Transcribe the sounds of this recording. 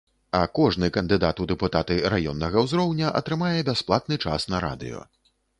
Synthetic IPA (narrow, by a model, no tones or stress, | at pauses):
ɐkɔʐnɨkɐnd̪ɨd̪at̪ud̪ɛput̪at̪ɨɾajɔnːɐɣɐwzɾɔwnʲɐʔɐ̰t̪ɾɨmajɛbʲasplˠat̪̚nɨt͡ʂa̰snɐɾa̰d̪ɨ̰jɔ̰